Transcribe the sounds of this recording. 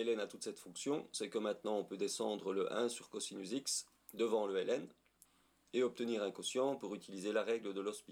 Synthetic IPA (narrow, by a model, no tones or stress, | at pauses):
ɛlɛnat̪ut̪sɛt̪fɔ̃ksjɔ̃sɛkəmɛ̃t̪nɑ̃ɔ̃pød̪esɑ̃d̪ʁələʔɛ̃syʁkɔsinyziks | d̪əvɑ̃ləɛlɛn | eɔp̚t̪əniːʁɛ̃kɔ̃sjɑ̃puʁyt̪ilizelaʁɛɡləd̪əlɔspi